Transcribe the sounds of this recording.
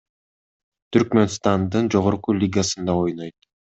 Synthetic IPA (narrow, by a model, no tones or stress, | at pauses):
t̪ʰyɾkme̞nst̪ɑnd̪ɯnd͡ʒo̞ʁoɾqulʲiɡasɯnd̪ɑo̞jno̞jt̪̚